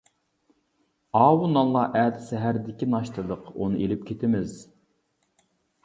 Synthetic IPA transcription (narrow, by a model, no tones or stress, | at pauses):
ɑːwunɑlˠːɑʔæːt̪ɪsɛɦæɾd̪ɪkʲinɑʃt̪ʰɨd̪əqo̰nɨʔelɪp̚kʲʰet̪ʰɪmɪz